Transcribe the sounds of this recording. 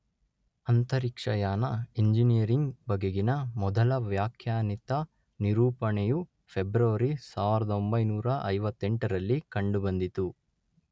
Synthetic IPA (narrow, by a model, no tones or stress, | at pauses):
ɐnt̪ɐɾikʂɐjaːnɐeɲd͡ʒinijɐɾiŋɡbɐɡeɡinɐmɔd̪ɐlɐʋjaːkʰjaːnit̪ɐ | niɾuːpɐɳɛju | pʰebɾɐʋɐɾisaːʋiɾɐd̪ɐombɐjnuːɾɐʔɐjʋɐt̪ːeɳʈɐɾɐlːikɐɳɖubɐnd̪it̪u